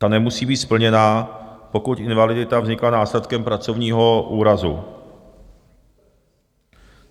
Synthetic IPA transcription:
anɛmusiːbiːt̪spl̩ɲɛnaːpo̞kuc̪ʔɪnvalɪdɪt̪avzɲɪklanaːslɛt̪kɛmpɾat͡sovɲiːɦo̞ʔuːɾazṵ

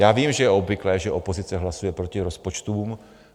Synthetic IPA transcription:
jaːviːmʒɛjɛo̞bvɪklɛːʒɛʔo̞po̞zɪt͡sɛɦlasujɛpɾo̞cɪɾo̞spot͡ʃt̪uːm

